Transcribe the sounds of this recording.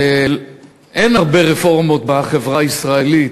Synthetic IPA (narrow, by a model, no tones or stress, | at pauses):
el | ʔenaʁbeʁefo̞ʁmot̪baχevʁaisʁaelit̪